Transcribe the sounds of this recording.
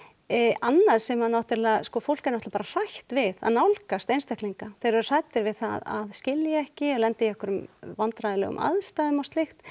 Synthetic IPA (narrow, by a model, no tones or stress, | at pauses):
anːaðsɛmhanːawht̪ɪɾlaskɔfowl̥kaɾnaht̪lapaːɾar̥ajçt̪vɪða̰ðnawlkast̪ejnst̪ahkliŋkaθejɾʏɾr̥ajt̪ɪɾvɪðθa̰ða̰ðscɪljɪɛhcɪlɛnt̪ɪjɛhkʏɾʏmvant̪ɾajðɪlɛ̰ɣʏ̰mʔa̰ðst̪ajðʏmawst̪lɪxt̪